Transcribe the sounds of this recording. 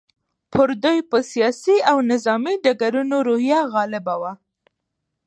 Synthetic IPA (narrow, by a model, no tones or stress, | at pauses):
pʰəɾd̪ujpəsijɑsiawnɪzɑmiɖaɡaɾunoɾohjaɣɑlɪbawa